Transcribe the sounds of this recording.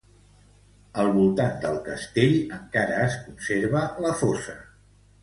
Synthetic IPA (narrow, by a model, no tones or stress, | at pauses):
əlˠβulˠt̪and̪əlˠkəst̪eʎəŋkaɾəːskunseɾβələfosə